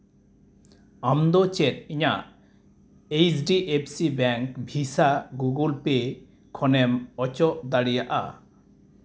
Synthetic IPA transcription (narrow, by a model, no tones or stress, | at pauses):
amd̪ɔt͡ʃet̪̚iɲaʔ | ejsɖiʔepʰsibɛŋkbʱisaɡuɡulpe | kʰɔnɛmɔt͡ʃɔʔd̪aɽijaʔa̰